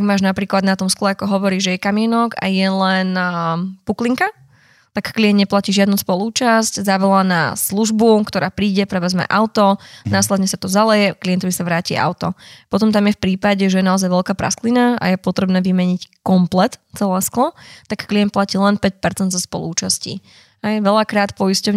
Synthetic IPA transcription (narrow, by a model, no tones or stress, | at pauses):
aɡmaːʒnapɾiːklad̪nat̪ɔmsklɛakɔɦɔʋɔɾiːʒɛjɛkamɪɛnɔka̰jɛlɛnpukliŋka | tt̪akːliɛnd̪ɲɛplaciːʒɪad̪nuspɔluːt͡ʃasczaʋɛlana̰sluʒbukt̪ɔɾaːpɾiːɟɛpɾɛʋɛzmɛ̰ʔaʊt̪ɔnaːslɛd̪ɲɛsat̪ɔzalɛjɛklijɛnt̪ɔʋisaʋɾaːcia̰ʊt̪ɔpɔt̪ɔmt̪amjɛfpɾiːpaɟɛʒɛjɛnaɔzajʋɛlkaːpɾa̰sklinaa̰jɛpɔt̪ɾɛbnɛːʋimɛɲickɔmplɛt̪t͡sɛlɛːsklɔt̪akːliɛnt̪placiːlɛnpɛc̚pɛɾt͡sɛnd̪zɔspɔ̰lˠṵuːt͡ʃascḭ | ɦɛjʋɛlakɾaːt̪pɔjiscɔʊɲ